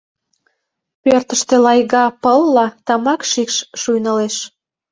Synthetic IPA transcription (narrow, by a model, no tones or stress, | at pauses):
pørt̪əʃt̪elɑjɣɑpəlːɑt̪ɑmɑkʃikʃʃujnəleʃ